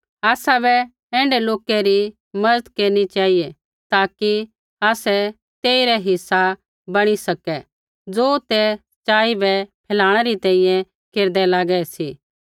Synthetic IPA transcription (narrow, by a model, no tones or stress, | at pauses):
aːsabɛ | ɛ̃ːɳɖɛloːkɛɾi | mɐɾəd̪keːɾnit͡ʃaːɦije | t̪aːki | aːsɛ | t̪eːiɾɛɦɪsːa | bɐɽ̃isɐkɛ | d͡zoːt̪ɛsɐ̥t͡ʃaːibɛpʰɛːlaːɽ̃ɛɾit̪ɛ̃ːĩjɛ̃ | keːɾd̪ɛlaːɡɛɛsiː